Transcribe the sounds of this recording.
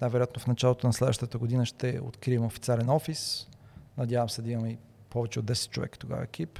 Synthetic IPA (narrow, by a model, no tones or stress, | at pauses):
najvɛɾojat̪nofnɐt͡ʃalˠot̪onɐslɛd̪vəʃt̪ət̪əɡʊd̪inəʃt̪ɛo̰t̪kɾiɛmɛofit̪sʲialɛnɔfisnɐd̪javɐmsɛd̪ɐimɐmɛi | pɔvɛt͡ʃɛod̪ːɛsɛ̥t̪̚t͡ʃovɛ̰kə̥t̪oɡa̰vɐ̰ɛkʰip